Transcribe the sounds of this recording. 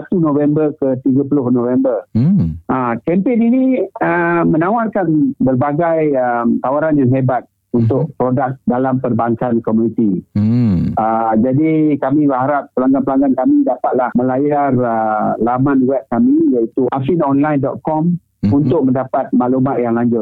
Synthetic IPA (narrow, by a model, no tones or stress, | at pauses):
at̪unõvɛmbərkət̪iɡəpəlʊhnovɛmbərʔəkɛmpeniniəmə̃nawarkanbərbaɡajəmt̪awaɾanjaŋɦebat̪̚ | unt̪ʊʔpɾodak̚dalampərbaŋkankomunit̪i | əd͡ʒadikamĩbəɦaɾap̚ːəlaŋɡanpəlaŋɡankamĩdapat̪̚lahmə̃lajarəlamãnwɛp̚kamĩjaʔit̪uʔafinɔnlajndɔt̪̚kɔm | unt̪ʊk̚məndapat̪̚maʔlumat̪̚jaŋlaɲd͡ʒʊt̪̚